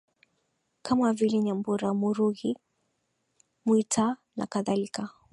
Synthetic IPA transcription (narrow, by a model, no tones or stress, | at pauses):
kʰamavilɛɲambuɾamuɾuɣi | muitana̰kaðalika